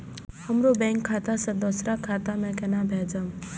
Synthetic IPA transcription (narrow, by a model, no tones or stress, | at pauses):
həmɾobɛ̃ŋkʰːat̪asə̃d̪ɔsɾakʰːat̪amẽkɛnabʱɛd͡zəm